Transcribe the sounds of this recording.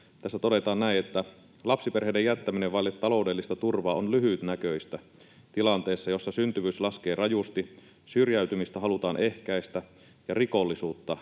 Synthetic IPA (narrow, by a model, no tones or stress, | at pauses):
t̪æsːæt̪odet̪ɑːnnæinet̪ːæ | lɑpsiperɦeːdejæt̪ːæmineʋʋɑilet̪ːɑlo̞ˑudelːist̪ɑt̪urʋɑːonlyɦyt̪nækøist̪æ | t̪ilɑnt̪eːsːɑjo̞sːɑsynt̪yʋyːslɑsk̟eːrɑjust̪i | syrjæyt̪ymist̪æɦɑlut̪ɑːnʔehkæist̪æ | jɑriko̞lːisuːt̪ːɑ